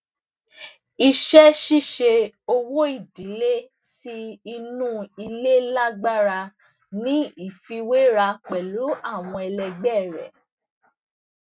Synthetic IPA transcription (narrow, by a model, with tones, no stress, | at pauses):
i˧ʃɛ˦ʃi˦˨ʃe˧o˧wo˦i˦˨di˨le˦ | si˧i˧nũ˦i˧le˦la˦ɡ͡ba˦ɾa˧ | nĩ˦i˦˨fi˧we˦ɾa˧k͡pɛ˨lu˨˦a˦˨w̃ɔ̃˧ɛ˧lɛ˧ɡ͡bɛ˦˨ɾɛ̰˨